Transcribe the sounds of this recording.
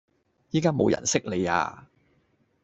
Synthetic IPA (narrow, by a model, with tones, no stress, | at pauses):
jiː˥kaː˥mo˨˧wjɐ̰˨˩nsɪ˥k̚le˨˧ja̰ː˧